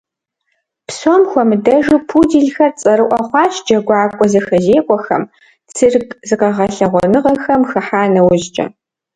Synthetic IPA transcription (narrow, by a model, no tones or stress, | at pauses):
psɔmxʷɔmɨdɐʒɨpʰuːdiɮxɐrt͡sʼɐɾɨʔʷɐχʷɑːɕd͡ʒɐɡʷɑːkʷʼɔzɐxɐzeːkʷʼɔxɐm | t͡sʰɨrkʼzɨqɐʁɐɬɐʁʷɔnɨʁɐxɐmxɐħaːnɐwʊʑt͡ʃʼɐ̰